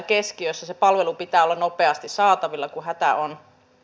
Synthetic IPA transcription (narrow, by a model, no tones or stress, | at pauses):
keskiøsːæsepɑlʋelupit̪æːolːɑnopeɑst̪issɑːt̪ɑʋilːɑkuɦæt̪æʔon